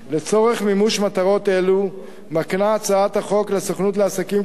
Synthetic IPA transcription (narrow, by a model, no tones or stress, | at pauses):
le̞t͡so̞ʁe̞χmimuʃmat̪aʁo̞t̪e̞lu | maknaːt͡saat̪haχo̞klesoχnut̬leasakim